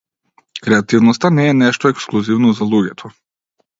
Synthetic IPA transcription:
kɾɛat̪iʋnost̪anijeneʃt̪oeksklˠuziʋnozalˠuɡʲet̪ʰo

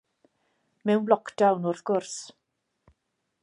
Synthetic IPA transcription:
mɛwnlɔkʰd̥awnʊrθɡ̥ʊrs

